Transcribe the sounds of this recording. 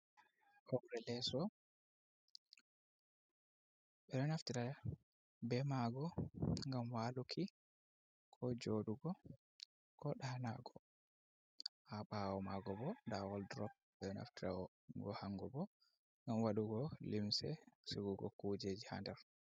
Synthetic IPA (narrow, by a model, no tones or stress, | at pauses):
ʔɔwɾɛlɛsɔ | ɓɛɗɔnaftiɾa | bɛmaɡɔŋɡamwaːlukʰi | kʰɔd͡ʒoɗuɡɔ | kʰɔɗanaɡɔ | ʔaɓawɔmaɡɔbɔndawɔldɾɔp̚ɓɛɗɔna̰ftiɾa̰wɔ | ɡɔ̰haŋɡɔbɔ | ŋɡamwaɗuɡɔlimsɛ̰suɡuɡɔ̰kud͡ʒeːd͡ʒiha̰ndɛɾ